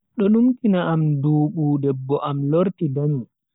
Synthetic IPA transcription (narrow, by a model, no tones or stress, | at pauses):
ɗɔɗumkinaamduːɓudɛbːɔʔamloɾtidami